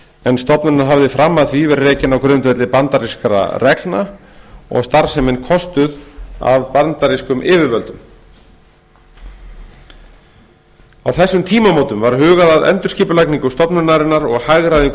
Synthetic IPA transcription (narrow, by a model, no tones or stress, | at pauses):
ɛnst̪ɔpnʏɾnaɾɦavðɪfɾamːaθvivɛɾrɛːcɪnawkɾʏnt̪vɛt̪lɪpant̪aɾiskɾa̰rɛklna | ɔ̰ɣst̪aɾsɛmɪnkʰɔst̪ʏða̰vpant̪aɾiskʏmʔɪːvɪɾvœlt̪ʏm | awθɛsːʏmt̪ʰiːmamɔːwt̪ʏmvaɾ̥ɦʏːɣaðaðɛ̰nt̪ʏɾ̥sciːpʏlajkniŋkʏst̪ɔpnʏɾnaɾɪnːaɾɔɣhaɣɾaðiŋk